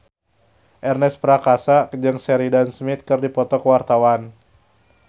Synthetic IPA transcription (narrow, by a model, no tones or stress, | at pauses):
ʔɛrnɛspɾakasad͡ʒɨŋsɛɾidansmit̪̚kɨrdipɔt̪ɔkəwart̪awan